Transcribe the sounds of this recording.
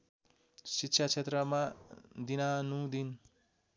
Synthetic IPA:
sitːɕʰat͡sʰet̪rʌmad̪inanud̪in

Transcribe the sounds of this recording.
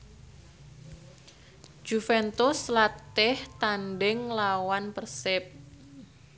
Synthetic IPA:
d͡ʒ̥ufɛnt̪uslat̪ɪht̪anɖɪŋlawanpərsɪp̚

